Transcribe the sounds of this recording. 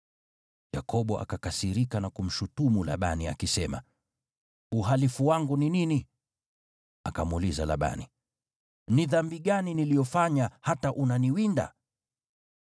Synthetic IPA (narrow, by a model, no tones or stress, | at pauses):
jakʰɔɓɔʔa̰kakasiɾikanakum̩ʃutumula̰ɓania̰kisɛma̰ | uɦalifuwaŋɡuninini | akamulizala̰ɓa̰ni | niðambiɠaninilijɔfaɲahataʔunaniwinda̰